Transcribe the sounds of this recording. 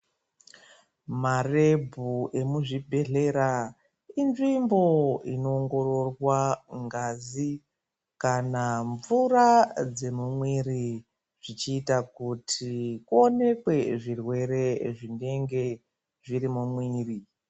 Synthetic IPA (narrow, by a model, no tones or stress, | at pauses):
mare̞bʱuʔe̞muʐibʱe̞ɮe̞ɾa | inʐimbo̞ino̞ːŋɡo̞ro̞rwaŋɡazi | kanaɱvurad͡ze̞mumwiɾi | ʐ̥it͡ʃiːtakutʰikuone̞kwe̞ʐirwe̞ɾe̞ʐine̞ŋɡe̞ | ʐiɾimumwiːri